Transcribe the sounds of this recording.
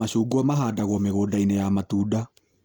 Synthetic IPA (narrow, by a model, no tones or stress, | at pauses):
aɕuːɡuɔmaɦaːdaɣwɔmeɣoːdainejamatuːda